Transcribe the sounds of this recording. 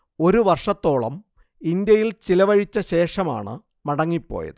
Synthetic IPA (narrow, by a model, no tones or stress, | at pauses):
o̞ɾuʋɐrʂɐt̪ːo̞ːɭɐm | ind̪jɐjilt͡ɕilɐʋɐɻit͡ɕːɐɕe̞ːʂɐma̰ːɳɨ̰ | mɐɽɐŋːipːo̰ːjɐ̰ðɨ